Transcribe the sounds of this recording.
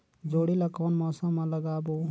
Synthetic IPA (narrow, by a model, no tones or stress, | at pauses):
d͡zoɽilakɔnmɔsãmaləɡabo